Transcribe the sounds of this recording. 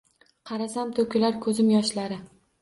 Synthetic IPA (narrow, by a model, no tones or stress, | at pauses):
qʰɑɾasamt̪ʰɵkʲʰɪlaɾkʰɵzɪmjɒʃlaɾɪ